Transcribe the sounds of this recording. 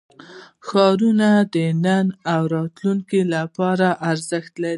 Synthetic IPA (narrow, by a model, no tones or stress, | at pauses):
xɑɾunad̪ənanawɾɑt̪luŋkilapɑɾaʔaɾzəxt̪laɾi